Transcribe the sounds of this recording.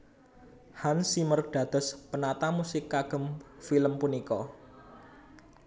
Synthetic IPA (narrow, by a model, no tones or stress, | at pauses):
hansimərɖ̥a̤d̪̥ə̤spənat̪amusɪkːaɡ̥ə̤mfiləmpunikɔ